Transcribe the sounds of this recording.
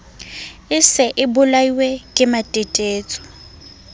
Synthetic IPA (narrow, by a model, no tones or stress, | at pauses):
ɪsɛʔɪbʊlaiwekʼɪmatʼetʼeːt͡sʼɔ̥